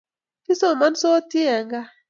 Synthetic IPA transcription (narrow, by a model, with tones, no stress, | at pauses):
ki˦so˦˨ma˦nso˦ti˦ɛ˨ŋɡa˦